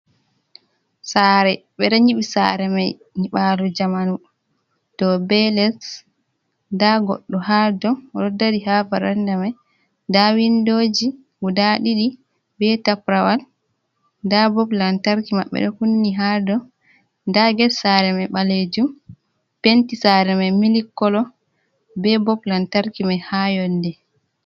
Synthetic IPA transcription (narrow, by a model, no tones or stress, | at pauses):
saɾɛɓɛɗɔɲiɓisa̰ɾɛmaj | niɓalud͡ʒamanu | tɔbɛlɛs | daɡɔ̰ɗːɔɦadɔɾɔdːadiɦavaɾandamaj | dawindoːd͡ʒi | wudaɗiɗi | bɛtapɾawal | dabɔplantaɾkimaɓːɛ̰ɗɔkunːiɦadɔ | daɡɛsaɾɛmɛɓaled͡ʒum | pentisaɾɛmɛmilikːɔlɔ | bɛbɔblantaɾkimahajɔndɛ